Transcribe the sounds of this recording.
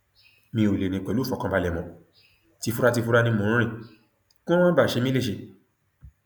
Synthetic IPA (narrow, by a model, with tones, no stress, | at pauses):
mĩ˧o˨le˨nĩ˨k͡pɛ˨lu˨˦˨fɔ̃˨kã˧ba˧lɛ˨mɔ̃˨ | ti˧fu˦ɾa˦ti˧fu˦ɾa˦nĩ˧˦mũ˧˦ĩ˦˨ | kũ˦ã˦ba˦˨ʃe˧˦mĩ˦e˦˨ʃe˧˦